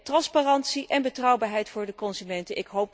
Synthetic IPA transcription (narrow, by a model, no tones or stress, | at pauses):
trɑnspaːrɑntsiʔɛnbətrɑwbaːɹɦɛjtfʊːɹdəkɔnzymɛntənʔɪkɦowp̚